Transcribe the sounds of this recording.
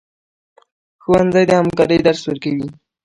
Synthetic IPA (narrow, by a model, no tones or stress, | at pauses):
xuwandzɑjd̪əhamkɑɾəjd̪aɾswəɾkawi